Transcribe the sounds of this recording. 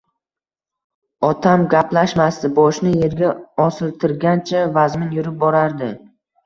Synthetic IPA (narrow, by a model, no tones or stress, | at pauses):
ɒt̪ʰamɡʲapʰlaʃmast̪ɪbɒʃnɪje̞ɾɡʲaɒsɪlˠt̪ʰɪɾɡʲant͡ʃʰavazmɪnjʊɾɪp̚bɒɾaɾd̪ɪ